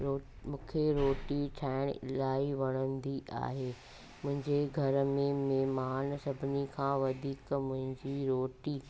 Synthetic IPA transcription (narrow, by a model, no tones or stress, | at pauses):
oː | mũːkʰeɾoːʈiʈʰaːɪɽ̃ɪ̰laːiʋɐɽ̃ə̃nd̪iʔa̰ːɦeː | mʊ̃ɦɪ̃ɲd͡ʑeɡʱɐɾmẽmeːmaːnsɐbʱɪnikʰãːʋɐd̪ʱiːkmʊ̃ɦɪ̃ɲd͡ʑiɾoːʈi